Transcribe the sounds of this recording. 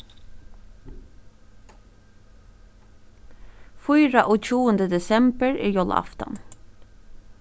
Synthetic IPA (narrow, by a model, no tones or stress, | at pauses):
fɔʏɹɑʔoːc͡çuːənd̪əd̪ɛsɛmbəɹiːjɔlɑ̰ft̪ɑ̰n